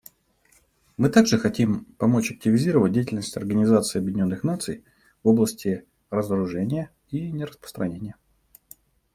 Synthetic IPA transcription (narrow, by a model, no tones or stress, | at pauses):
mɨt̪aɡʐɨxɐtʲimpɐmo̞t͡ɕɐk̚tʲɪvʲɪzʲiɾəvət̚ʲdʲejtʲɪlʲnəsʲtʲɐ̰rɡənʲɪzat̪sɨːɐbjɪdʲɪnʲo̞nːɨxnat̪sɨj | vo̞blˠəsʲtʲɪ | rəzəɾʊʐɛnʲɪjə | inʲɪɾəspɾə̥st̪ɾɐnʲenʲɪjə